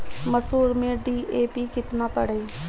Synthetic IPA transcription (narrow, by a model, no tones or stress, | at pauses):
məsuːɾmẽːɖiːʔeːpiːkɪt̪naːpəɽeː